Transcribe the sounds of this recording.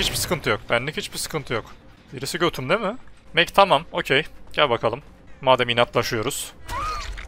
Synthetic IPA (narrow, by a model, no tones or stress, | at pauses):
it͡ʃbisɯ̥kʰɯnt̪ʰɯjo̞k̚bænlʲihit͡ʃbisɯ̥kʰɯnt̪ʰɯjo̞k | biɾisiɟøt̪ʰymd̪emɪmɛct̪ʰamamo̞cʰejɟ̥ælʲbakʰalˠɯmː | aːd̪ɛminat̪lˠaʃɯjo̞ɾuz̥